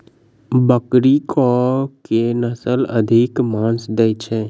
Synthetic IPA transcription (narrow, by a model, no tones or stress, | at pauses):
bəkɾikɔkenəsələ̰d̪ʱikmãːnsd̪eit͡ʃʰɛː